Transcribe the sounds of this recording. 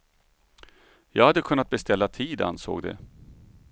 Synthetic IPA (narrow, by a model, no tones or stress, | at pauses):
jɑ̰ːɡhad̪ːəkʰɵnːat̪̚bɛst̪ɛlːat̪ʰiːd̪a̰nso̰ːɡd̪ɛ̰